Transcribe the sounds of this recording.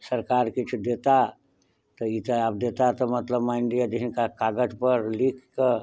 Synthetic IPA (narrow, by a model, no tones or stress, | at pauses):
səɾkaɾkit͡ʃʰud̪et̪a | t̪ɔit̪əabd̪et̪at̪ɔmət̪ləbmaɪɳɖijad͡ʒ̪iɦinkakaɡəd͡ʒpəɾlikːə